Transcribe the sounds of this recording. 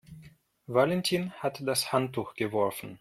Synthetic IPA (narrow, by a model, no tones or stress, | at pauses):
valɛntʰiːnhatd̥ashantːuːxɡ̥əvɔɐfn̩